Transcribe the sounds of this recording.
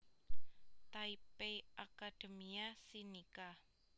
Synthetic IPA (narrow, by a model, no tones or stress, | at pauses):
t̪aipeʔakad̥emiasinika